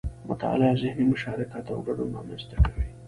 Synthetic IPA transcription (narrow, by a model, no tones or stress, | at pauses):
mʊ̰t̪aɑ̰lɑzɪhnimʊʃɑɾakat̪awɡaɽoɑ̰manzt̪akawi